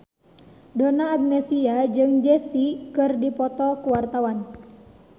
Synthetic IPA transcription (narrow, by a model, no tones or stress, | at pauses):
donaːɡ̚nɛsiad͡ʒɨŋd͡ʒɛsikɨrdipɔt̪ɔkuwart̪awan